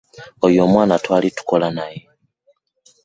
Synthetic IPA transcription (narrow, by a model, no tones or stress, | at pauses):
ojo̞ːmwaːnatwaːlitu̥ko̞lanaje